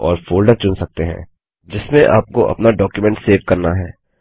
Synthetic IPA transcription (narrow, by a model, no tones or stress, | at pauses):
ɔːɾfoːlɖəɾt͡ʃʊnsɐk̚t̪eɦɛ̰̃ː | d͡ʒɪsmẽʔa̰ːp̚koʔɐ̰pnaɖɔːkjumɛ̃ɳʈseːʋkɐɾnaɦɛː